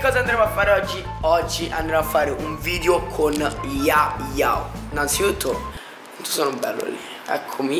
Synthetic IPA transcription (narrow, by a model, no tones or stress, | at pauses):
kkːɔːzand̪ɾɛmoafːaːɾeɔd͡ʒːi | ɔd͡ʒːiʔa̰nd̪ɾeamoafːaːɾeʔuɱviːd̪eokʰonjaja̰winantsit̪ut̪ʰːo | ant̪ːo̥sɔːnobɛ̰lːo̰lḭ | ɛ̰kʰːomi